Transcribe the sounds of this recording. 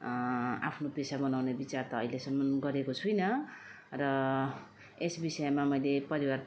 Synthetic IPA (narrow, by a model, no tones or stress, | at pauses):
a̰pʰnopesabʌnawnebit͡sart̪ʌ̰ːjlesʌmːʌnɡʌɾekot͡sʰujnʌ | rʌ | esbisʌmamʌjlepʌɾiwar